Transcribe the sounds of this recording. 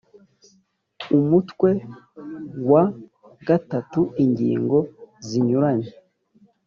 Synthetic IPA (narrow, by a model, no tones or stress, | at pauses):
umutwe̞ | wa | ɡatatuiɲɟḭːŋɡo̞ziɲuɾaɲe